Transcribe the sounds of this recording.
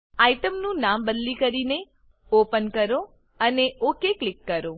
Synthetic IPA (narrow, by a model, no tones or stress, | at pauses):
aiʈəmnũnambəd̪likəɾine | opənkəɾo | əneokeklɪkːəɾo